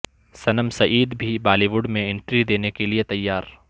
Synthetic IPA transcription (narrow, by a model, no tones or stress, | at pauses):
sɐnəmsɐʔiːd̪bʱibaːliːʋʊɖmẽɪ̃ɳʈɾid̪eːnekeliet̪ɐjːaːɾ